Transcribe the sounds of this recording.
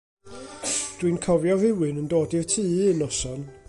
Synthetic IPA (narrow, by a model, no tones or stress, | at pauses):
d̥winkʰɔvjɔvɪwɨnəndoːdɪrtʰɨːənɔsɔn